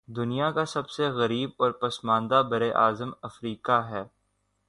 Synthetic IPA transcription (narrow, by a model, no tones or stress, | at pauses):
d̪ʊnijakasɐbseɣɐɾiːb̚ɔːɾpɐsmãːnd̪abɐɾeʔaːzəmɐfɾiːkaɦɛː